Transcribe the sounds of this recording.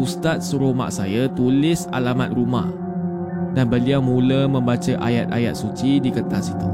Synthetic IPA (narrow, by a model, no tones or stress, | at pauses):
ust̪at̪̚səɾoma̰ʔsajat̪ulɪsa̰lama̰t̪̚ruma̰ʔ | danbəliawmũləmə̃mbat͡ʃəʔa̰ja̰t̪̚a̰ja̰t̪̚sut͡ʃidikət̪asit̪u